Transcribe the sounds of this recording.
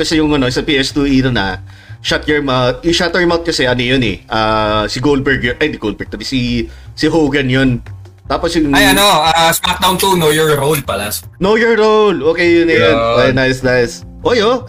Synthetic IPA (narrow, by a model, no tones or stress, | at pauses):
kɐsɛjʊŋɐnoʔɪsɐpiːʔɛst̪uʔinonɐ̰ | ʃat̪̚jɛɹmat̪̚ʔɪʃat̪ɛɹmawt̪̚kɐsɛʔɐnojonɛʔaːsɪɡol̚bɛɹɡjoʔɐjd̪ɪɡowlbɛɹɡ̚t̪ɐbɪsisɪɦoɡɐnjon | t̪aːposjʊŋajɐnoʔasmat̪̚d̪awnt̪onojɔɹɾowlpɐlasnojoɹɾowlʔoːkɛjʊnɐjonɐjnajsnajs | ʔojo